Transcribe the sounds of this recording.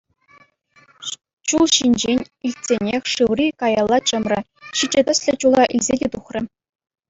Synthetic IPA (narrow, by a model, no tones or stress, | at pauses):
ɕulˠɕinʲd͡ʑenʲ | ilʲtʲsʲenʲexʲʂɯʋrʲikɑjɑlˠːɑt͡ɕɤ̆mrʲɘ̆ | ɕid͡ʑɘ̆t̪ʲɘ̆sʲlʲɘ̆t͡ɕulˠɑʔilʲzʲedʲet̪uχrʲɘ̆